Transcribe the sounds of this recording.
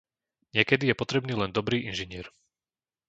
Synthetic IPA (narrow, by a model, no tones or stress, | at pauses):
ɲɪɛkɛd̪ijɛpɔt̪ɾɛbniːlɛnd̪ɔbɾiːʔinʒiɲɪɛɾ